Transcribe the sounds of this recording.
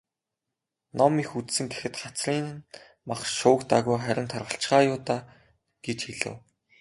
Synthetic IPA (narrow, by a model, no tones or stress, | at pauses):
nɔmixut͡ssɘ̆ŋɡexɘ̆t̪χat͡sriːn | maχʃʊːkt̪aɣujχæɾʲɪ̆nt̪ʰɔrʁə̆ɬt͡ɕχaːjʊːt̪aː | ɡ̥et͡ɕxiɮɘ̰̆w